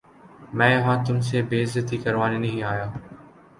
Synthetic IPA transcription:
mɛ̃ːjɐɦãːt̪ʊms̬eːbeːzət̪ikɐɾʋaːnenɐɦĩaːjaː

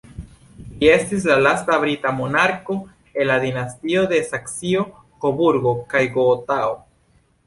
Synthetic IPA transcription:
lie̞stis̬lalastabɾitamo̞naɾko̞ | e̞nlad̪inastio̞de̞saksio̞ | kobuɾɡo̞kajɡoːtao

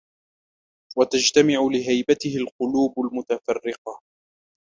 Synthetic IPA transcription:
wat̪ad͡ʒt̪amɪʕʊlɪɦajbat̪ɪhɪlqʊluːbalmʊt̪afɑrːɪqɑ

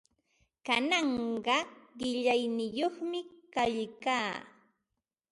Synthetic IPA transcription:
kanɑɴɢɑɢɪʎajnɪjoχmɪkaʎkaː

